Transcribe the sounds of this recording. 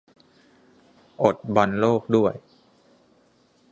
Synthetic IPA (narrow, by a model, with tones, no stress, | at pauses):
ʔo˨˩t̪̚ba˧nloː˥˩k̚du˥˩əj